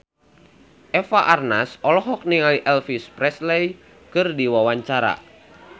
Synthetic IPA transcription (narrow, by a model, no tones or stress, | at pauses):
ʔɛfaʔarnasɔlɔɦɔk̚niŋaliʔɛlfispɾɛslɛj | kɨrdiwawaɲt͡ʃaɾa̰